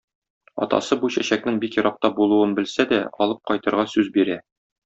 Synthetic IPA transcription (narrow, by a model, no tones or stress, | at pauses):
ɒ̰t̪ɑ̰sɤbuɕæɕæk̚nɘŋbikjɤ̆ɾʔɑq̚t̪ɑbulˠuɤnbɘ̆lsæd̪æɒ̰lˠɤp̚qɒjt̪ɤ̆ɾʁɑsʉzbiɾæ